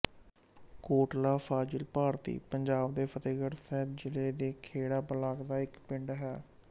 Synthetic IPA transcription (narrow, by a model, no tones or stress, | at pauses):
koːʈlaːpʰaːd͡ʒəlpaːɾt̪ḭːpəɲd͡ʒaːbd̪eːpʰət̪eːɡəɾsɛːbd͡ʒɪleːd̪eːkʰeːɽaːbəlaːkd̪aːɪkpɪɳɖɦɛː